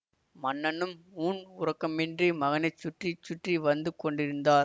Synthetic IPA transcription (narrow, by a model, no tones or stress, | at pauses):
mɐnːɐnɯmuːnʊɾɐkːɐmɪndrimɐɣɐnɐɪt͡ʃːʊʈrit͡ʃːʊʈriʋɐnd̪ɯkɔɳɖɪɾɯnd̪aːɾ